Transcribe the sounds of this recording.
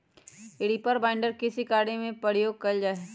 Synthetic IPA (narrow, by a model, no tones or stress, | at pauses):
eɽipəɾbaːɪ̃ɳɖəɾkɪsikaːɽemẽpəɽjoːɡ̚kɐld͡ʒaːeː